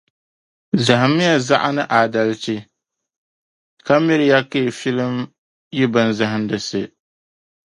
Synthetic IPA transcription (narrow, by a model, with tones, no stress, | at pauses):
za˨ɦɨ˨mːɪ˦ja˦za˦ʔa˦nɨ˦ʔa˨da˨lt͡ʃɪ˦ | ka˦mi˦ɾɪ˦ja˦ke˦˨fi˦lɨ˦m | ji˦bɨ˨nza˨ɦɨ˦ndɨ˨sɨ˨